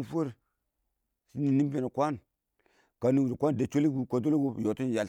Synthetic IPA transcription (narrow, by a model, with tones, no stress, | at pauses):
fu˦ɾ | si˦ni˨ni˦mbe˨na˨kʷa˦n | ka˨ni˦wu˨dkʷa˦n˨da˨t͡ʃo˦li˦ɡu˨ka˨do˦lɡu˦˨jo˨tu˦n˨ja˨l